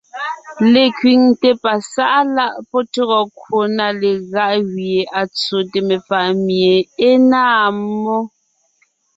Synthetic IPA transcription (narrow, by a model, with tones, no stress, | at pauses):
le˨kɥi˨ŋte˦pa˨sa˦ʔa˦la˦ʔpɔ˦to˦ɣɔ˨kʰwo˨na˦le˨ɣa˦ʔɣje˨ʔa˨t͡so˨te˨me˨fa˨ʔmje˨e˦naː˦˨˦mːɔ˦